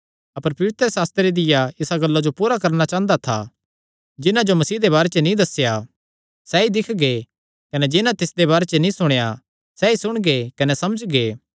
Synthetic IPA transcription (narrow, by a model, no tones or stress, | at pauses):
ɐpəɾpɐʋɪt̪ɾəsaːst̪ɾeɾed̪ɪjaɪsaɡɐlːad͡ʒopuːɾakɐɾnat͡ʃãːə̃nd̪at̪ʰa̰ | d͡ʒɪnãd͡ʒomɐsiːd̪eβaːɾet͡ʃenĩd̪ɐsja | sɛid̪ɪkʰɡe | kɐned͡ʒɪnãt̪ɪsd̪eβaːɾet͡ʃenĩsʊɽ̃eja | sɛisʊɽ̃ɡekɐnɛsɐməd͡ʒɡeː